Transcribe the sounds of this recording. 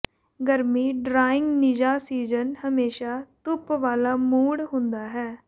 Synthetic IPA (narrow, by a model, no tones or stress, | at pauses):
ɡəɾmiːɖɾaːɪ̃ŋɡnɪd͡ʒaːsiːzənhəmeːʃaːt̪ʊpʋaːlaːmuːɽɦʊ̃nd̪aːɦɛː